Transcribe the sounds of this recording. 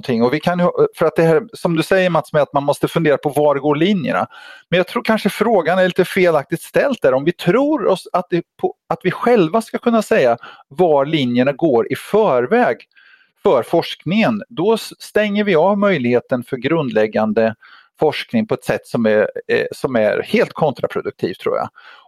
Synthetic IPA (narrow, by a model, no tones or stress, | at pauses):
t̪ʰɪŋːɔvɪkʰanjfœɾat̪̚d̪ɛhæːɾsɔmd̪ɵsɛjːəɾmat̪smɛat̪̚manmɔst̪əfɵnd̪eːɾapʰɔvaɖɛɡoːɭinjə̰na̰mɛnjɑɡt̪ʰɾuːɾkʰanʂəfɾoːɡanæɭiːt̪əfeːlak̚t̪ɪt̪st̪ɛlt̪̚d̪æːɾɔmvɪt̪ʰɾuːɾɔsat̪̚d̪ɛpʰɔat̪vɪɧɛlvaskakʰɵnːasɛjːavaɾɭinjəɳaɡoːɾʔɪfœːɾvɛːɡ | fœɾfɔʂknɪŋənd̪ɔst̪ɛŋːəɾvɪɑːvmœjlɪheːt̪ənfœɾɡɾɵnd̪lɛɡːand̪ə | fɔʂknɪŋpʰɔɛt̪sɛt̪ːsɔmæsɔmæ̰ɾheːlt̪̚kʰɔnt̪ɾa̰pʰɾʊd̪ɵk̚t̪ʰḭːv̥t̪ʰɾṵːja̰